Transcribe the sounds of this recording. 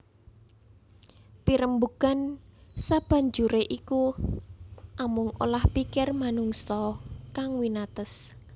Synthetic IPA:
piɾəmbuɡ̥ansab̥a̤ɲd͡ʒuɾeʔiku | ʔamʊŋʔo̰lahpikɪrmanuŋsɔkaŋwinat̪əs

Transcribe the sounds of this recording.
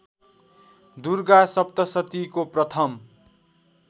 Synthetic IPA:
d̪urɡasʌp̚t̪ʌsʌt̪ikoprʌt̪ʰʌm

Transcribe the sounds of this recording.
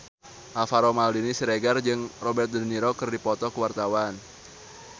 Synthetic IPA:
ʔafaɾomaldinisiɾeɡard͡ʒɨŋrobɛrt̪̚dəniɾokɨrdipɔt̪ɔkəwart̪awan

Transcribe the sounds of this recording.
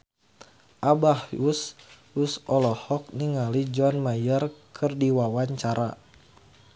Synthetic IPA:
ʔabahus | usʔɔlɔhɔk̚niŋalid͡ʒɔnmajərkʰərdiwawaɲt͡ʃaɾa

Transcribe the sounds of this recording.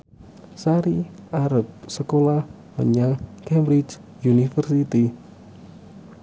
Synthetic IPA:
saɾiʔaɾəp̚səkolah | mə̰ɲaŋkɛmbɾit͡ʃjunifərsit̪i

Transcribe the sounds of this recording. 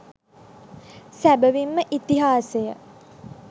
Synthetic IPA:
sæbəʋimːəʔit̪iɦaːsejə

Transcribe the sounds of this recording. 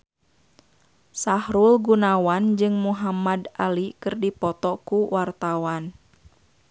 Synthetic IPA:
sahɾulɡunawand͡ʒɨŋmuɦamadʔalikɨrdipɔt̪ɔkuwart̪awan

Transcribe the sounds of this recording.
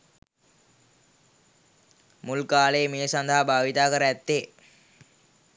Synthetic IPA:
mulkaːleːmeːsand̪ʱəɦabʱaːʋit̪aːkəɾəæt̪ːe

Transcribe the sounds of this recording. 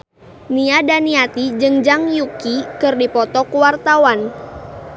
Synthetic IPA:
niadaniat̪id͡ʒɨŋd͡ʒaŋjukikɨrdipɔt̪ɔkuwart̪awan

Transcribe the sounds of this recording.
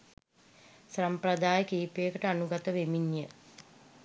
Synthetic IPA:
samprɐd̪aːjəkiːpeːkəʈəanuɡat̪əʋemiɲjə

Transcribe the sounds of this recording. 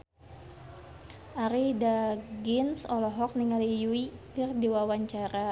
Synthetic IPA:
ʔaɾidaɡinsɔlɔɦɔk̚niŋalijuikɨrdewawaɲt͡ʃaɾa

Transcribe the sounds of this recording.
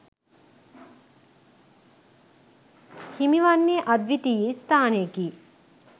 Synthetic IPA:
himiʋanːeʔɐd̪ʋit̪ijest̪ʰaːneki

